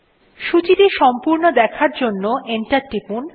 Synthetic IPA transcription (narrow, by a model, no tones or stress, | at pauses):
ʃut͡ɕit̪iʃɔmpuɾnod̪ɛkʰaɾd͡ʑonːoeɳʈaɾʈipun